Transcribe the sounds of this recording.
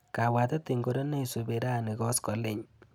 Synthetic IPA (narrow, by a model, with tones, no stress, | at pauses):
ka˨wa˨t̪a˦tɪ˨ŋɡo˦ɾɔ˦ne˦˨su˨be˨ɾa˦˨nɪ˨ɣɔ˦skɔ˨lɪ˦ɲ